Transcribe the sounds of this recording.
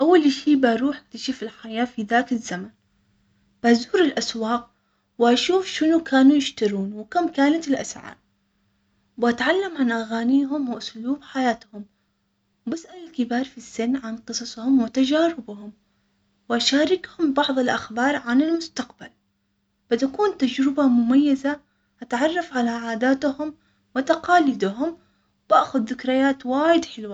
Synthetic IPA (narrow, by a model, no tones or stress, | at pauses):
ʔawːalʃiːbaɾuːħak̚t̪aʃɪfɪlħajaːfiðaːkɪzːaman | b̥azuːɾɪlʔaswɑːq̚ | wɪʔaʃuːfʃɪnukʰaːnujɪʃt̪aɾuːnwɪkamkaːnat̪ɪlʔa̰sʕɑ̰ːɾˤ | wʔat̪ʕalːamʕanʔaɣaːniːɦʊmwɪʔʊsluːbħajaːt̪hʊm | basʔalalkɪbɑːɾˤfisːɪnːʕanqɨsˤɑsˤhʊmwɪt̪ad͡ʒaːɾɪbhʊm | wʔaʃaːɾɪkhʊmbɑʕðˤɪlʔaxbɑːɾˤʕanɪlmʊst̪aqbal | b̥ɪt̪akuːnt̪ad͡ʒɾɪbamʊmajːaza | ʔat̪ʕɑrˤːɑfʕalaʕaːd̪aːt̪hʊm | wɪt̪aqɑːlɪd̪ɦʊm | baʔxʊd̪ːɪkɾɪjaːt̪waːjɪd̪ħɪlwa